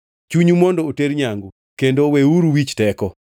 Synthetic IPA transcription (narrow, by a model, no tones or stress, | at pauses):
t͡ʃuɲumɔndɔoteɾɲaŋɡu | kendoweuɾuwit͡ʃtɛkɔ